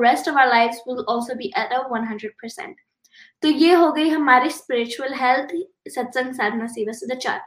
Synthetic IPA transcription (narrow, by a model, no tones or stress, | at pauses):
ɾɛsʈɔʋaːʊəlaɪʋzwɪlɔːlsoːbiːʔətʌʋʋɐ̃nɦɐ̃ndɾəɖ̚pʰəɾsɛ̰̃ɳʈ | t̪ojeɦoːɡəiɦəmaɾiʃspɪɾɪt͡ʃuəlɦɛlt̪ʰ | sɐt̪sə̃ŋɡsad̪ʱnasiːʋəsd̪ət͡ʃa̰ʈ